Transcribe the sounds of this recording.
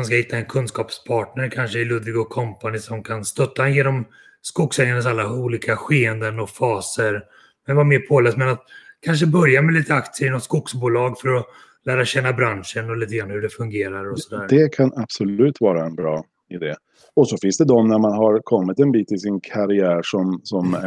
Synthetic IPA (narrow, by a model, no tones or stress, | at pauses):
anskahɪt̪ʰːaɛnkʰɵnskɑːpspʰɑːʈɳəɾkʰanʂəɪlɵd̪vɪɡʊkʰɔmpanɪsɔmkʰanst̪œt̪ʰːajeːnɔm | skʊksɛŋːanas̬alːauːliːkaɧeːɛnd̪ənɔfɑːsəɾ | mɛnvameːɾpʰoːlɛːst̪mɛnat̪kʰanʂ̬əbœɾjamɛliːt̪əakt̪səɾɪnɔt̪skʊksbuːlɑːɡfœɾɔ | læːɾaɕɛnːabɾanʂənɔliːt̪əɡɾanhɵɖɛfɵŋɡeːɾaɾɔsɔd̪æːɾd̪ɛkʰanab̥sɔlʉ̟ːt̪vɑːɾaɛnbɾɑː | ɪd̪eː | ɔsɔfɪ̃nsd̪ɛd̪ɔmnæɾmanɦaɾkʰɔmːɪt̪ɛnbiːt̪ːɪlsɪnkʰaɾɪæːɾʂɔmsɔm